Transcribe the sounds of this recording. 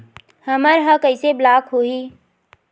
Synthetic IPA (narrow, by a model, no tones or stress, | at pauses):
həməɾɦə̃kəɪseblaːkɦoːɦi